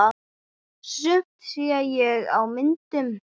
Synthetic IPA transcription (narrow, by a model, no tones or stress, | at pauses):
sʏp̚t̪siːajɛɣa̰wmɪnt̪ɪm